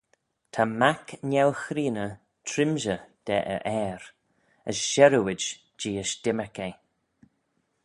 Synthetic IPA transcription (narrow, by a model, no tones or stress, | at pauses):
tʰamaknɛlxɾiːnə | tʰɾɪmʒəd̥ɛʔə̰ʔɛːɾ | əsʃɛɾəwɪd͡ʒ | d͡ʒiːəʃd̪̥ɪməkej